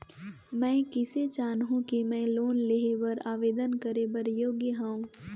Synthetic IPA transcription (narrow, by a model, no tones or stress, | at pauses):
mɛ̃ːkɪset͡ʃaːnɦũkimɛ̃ːloːnleɦebəɾaːʋeːd̪ənkəɾebəɾjoːɡjəɦãũ